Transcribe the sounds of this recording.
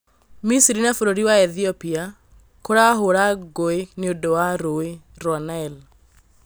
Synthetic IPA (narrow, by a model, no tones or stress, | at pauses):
misiɾinafoɾoɾiwaɛðiɔpia | koɾaɦoɾaɡoeneodɔwaɾoeɾɔnaɛl